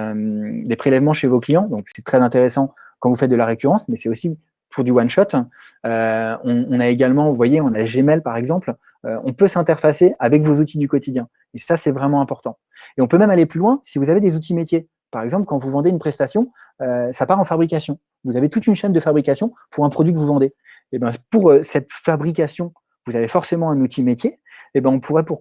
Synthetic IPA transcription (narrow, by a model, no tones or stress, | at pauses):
ømd̪epχelɛvmɑ̃ʃevoklijɑ̃d̪ɔ̃ksɛt̪χɛzɛ̃t̪eʁesɑ̃ | kɑ̃vufɛt̪̚d̪əlaʁekʲyʁɑ̃smɛsɛosi | pʰuʁd̪ywanʃɔt̪ | øɔ̃ːnaeɡalmɑ̃vuvwajeɔ̃naʒemɛlpaʁɛɡzɑ̃pl | øɔ̃pøsɛ̃t̪ɛʁfaseavɛkvozut̪ʰid̪ykɔt̪ʰid̪jɛ̃ | esasɛvʁɛmɑ̃ɛ̃pɔʁt̪ɑ̃ | eɔ̃pømɛmaleplylwɛ̃sivuzaved̪ezut̪̬id̪met̪je | paʁɛɡzɑ̃plkɑ̃vuvɑ̃d̪eynpχɛst̪asjɔ̃ | øsapaʁɑ̃fabʁik̬ʲasjɔ̃ | vuzavet̪ut̪ynʃɛnd̪əfabʁikasjɔ̃puʁɛ̃pχɔd̪ɥikəvuvɑ̃d̪e | ebɛ̃puʁøsɛt̪fabʁik̬ʲasjɔ̃ | vuzavefɔʁsemɑ̃ɛ̃nut̪ʰimet̪ʰjeː | bɛ̃ɔ̃pʰuʁɛpuʁ